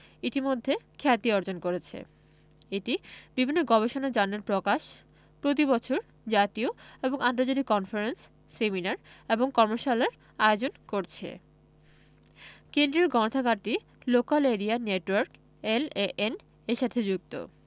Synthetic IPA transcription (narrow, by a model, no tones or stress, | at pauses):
it̪imod̪ʱːekʰɛt̪iɔɾd͡ʑonkoɾet͡ɕʰḛ | eʈibibʱinːoɡɔbeʃonad͡ʑanːeɾpɾokaʃ | pɾot̪̬ibɔt͡ɕʰoɾ | d͡ʑat̪ioeboŋant̪od͡ʑat̪ikɔnfaɾensː | eminaɾeboŋkɔɾmoʃaleɾ | aeod͡ʑonkoɾt͡ɕʰḛ | kend̪ɾeɾɡɔnot̪ʰaɡaɾʈi | lokaleɾianeʈwaɾk | eleʔen | eʃat̪ʰed͡ʑuk̚t̪o̰